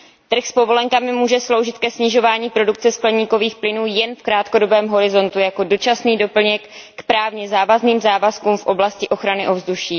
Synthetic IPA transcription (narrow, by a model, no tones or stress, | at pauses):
t̪r̩xspo̞vo̞lɛŋkamɪmuːʒɛslo̞wʒɪt̪kɛsɲɪʒo̞vaːɲiːpɾo̞duk̚t͡sɛsklɲiːko̞viːxplɪnuːjɛnfkɾaːt̪ko̞do̞bɛːmɦo̞ɾɪzo̞nt̪ujako̞do̞t͡ʃasniːdo̞pl̩ɲɛkːpɾaːvɲɛzaːvazniːmzaːvaskuːmfʔo̞blascɪʔo̞xɾanɪʔo̞vzduʃiː